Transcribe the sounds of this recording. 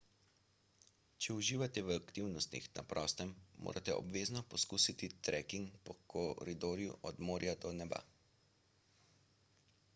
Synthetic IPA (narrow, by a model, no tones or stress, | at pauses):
t͡ʃɛuʒiːʋat̪ɛʋakt̪iwnɔst̪ḭxna̰pɾʔɔːst̪ɛmːo̰ːɾʔat̪ɛɔ̰bʋeːznɔpɔskuːsit̪it̪ɾɛkiŋkpɔkʰɔɾid̪oːɾjṵʔɔd̪moːɾjad̪ɔnɛba̰